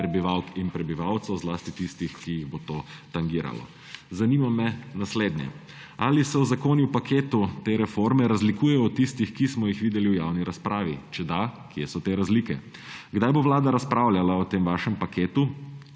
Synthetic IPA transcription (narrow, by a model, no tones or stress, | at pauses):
ɾɛbiʋawkinpɾɛbiʋawt̪sɐzlaːst̪it̪ist̪ixkijiɣbot̪oːt̪aŋɡiːɾa̰lɔ̰ | zaniːmamɛnasleːd̪nʲjɛ̰ | alisɛwzakoːnjupakʰeːt̪ut̪eːɾɛfoɾmɛɾazlikuːjɛjɔɔt̪ist̪ixkismɔjixʋiːd̪ɛliwjaːwniɾaspɾaːʋit͡ʃɛd̪akjɛsɔt̪eːɾazliːkɛ | ɡd̪ajboʋlaːd̪aɾaspɾawljalaɔt̪eːmʋaːʃɛmpakeːt̪u